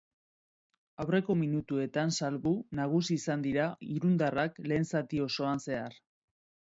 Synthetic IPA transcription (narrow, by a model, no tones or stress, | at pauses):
awre̞ko̞minut̪ue̞t̪ansalβunaɣ̞usiːsand̪iɾaiɾund̪arakle̞ːnsat̪io̞so̞anse̞ar